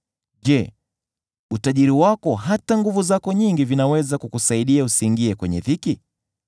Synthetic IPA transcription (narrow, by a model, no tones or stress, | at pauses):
ʄɛ | utaʄiɾiwakɔɦataŋɡuvuzakɔɲiŋɡivinawɛzakukusaiɗiausiːŋɡiɛkwɛɲɛ̰ðiki